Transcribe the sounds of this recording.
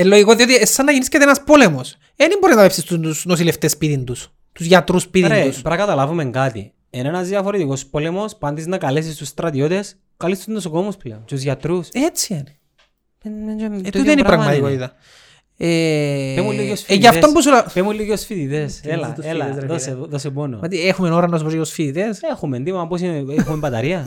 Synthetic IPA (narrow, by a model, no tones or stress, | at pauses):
elːoʝikot̪iot̪iesːɐnːɐʝiniskɐt̪ienɐspo̞lemos | enimboɾiznɐpepsist̪uusnosileft̪espiðind̪us | t̪uzʝɐt̪ɾuspiðiɾeuspɾɐkɐt̪ɐlavumeŋɡat̪ḭ | enenɐzðiɐfoɾet̪iko̞spo̞le̞mo̞spɐnd̪iznɐkɐlesist̪usːt̪ɾɐt̪io̞t̪e̞s | kɐlist̪uznosokomuspleont͡ʃ̪uzʝɐt̪ɾuset͡sieni | meend͡ʒomt̪eniɐpɾɐɣmmɐt̪ikoiðɐ | eemulːijosfiijɐffesombusuɐpemulːiosfiðit̪eselɐelɐðoseoðosepono̰mɐt̪iexumenoɾɐnɐs̬upojosfiðit̪esexumend̪imɐmbos̬ineexumembɐt̪ɐɾiɐ